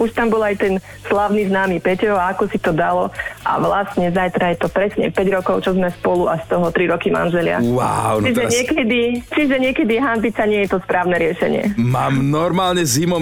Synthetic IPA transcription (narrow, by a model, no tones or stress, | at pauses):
uʃt̪ambɔlajt̪ɛn | slaʊniznaːmiːpɛcɛaakɔsit̪ɔd̪alɔʔa̰ʋlast̪ɲɛzajt̪ɾajɛt̪ɔpɾɛsɲɛ̰pɛɟɾɔkɔʊt͡ʃɔzmɛspɔluast̪ɔɦɔt̪ɾiɾɔkima̰nʒɛlɪa̰wa̰ʊt͡ʃiʒɛɲɪɛkɛd̪it͡ʃiʒɛɲɪɛkɛd̪iɦampit͡saɲɪɛjɛt̪ɔspɾaːʊnɛɾɪɛʃɛ̰ɲɪɛ̰maːmnɔɾmaːlɲɛzimɔ